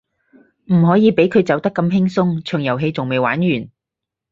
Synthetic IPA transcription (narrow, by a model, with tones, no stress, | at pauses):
m̩˨˩ɦɔː˨˥jiː˨˧pe˨˥jkʰɵ˨˧ɥt͡sɐ˨˥wt̪ɐ˥kːɐ˧mɦɪ˥ŋsʊ˥ŋt͡ʃʰœː˨˩ŋjɐ˨˩wɦe˧jt͡sʊ˨ŋme˨jwa̰ː˨˥nɥyː˨˩n